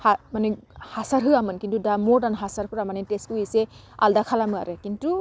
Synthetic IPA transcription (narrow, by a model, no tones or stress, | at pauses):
hamanihasaɾɦɯamɯnkintudamɔɾdanɦasaɾpʰɯɾamaniteskuise | a̰ldakʰalamɯa̰ɾekintu